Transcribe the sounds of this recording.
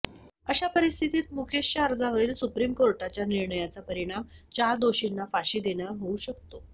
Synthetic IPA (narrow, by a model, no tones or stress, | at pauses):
əɕapəɾist̪ʰit̪iːt̪mukʰeɕːaəɾd͡zaʋəɾiːlsupɾiːmkoɾʈat͡ɕjaniɾɳəjat͡sapəɾiɽ̃amt͡ɕaɾd̪oɕinːafaɕiːd̪eɳjaɦouɕək̚t̪o